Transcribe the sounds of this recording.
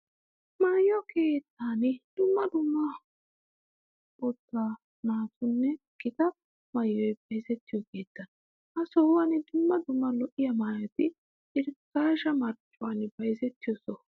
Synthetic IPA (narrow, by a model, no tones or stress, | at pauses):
majɔke̞ːt̪ːanɪd̪̥ʊmːɐd̪ʊmːɐ | ʊt̪ːa | naːt̪ʊnːɛ | ɡ̥ɪt̪ɐ | mɐjːɔjbɐjzɛt̪ːɪjɔke̞ːt̪ːɐn | ʔɐsɔwɐnɪd̪ʊmːɐd̪ʊmːɐlɔʔɪjɐmaːjɐt̪ɪ | ʔɪɾkːaːʃɐmɐɾt͡ʃʼːʊwɐnɪbɐjzɛt̪ːɪjɔsɔ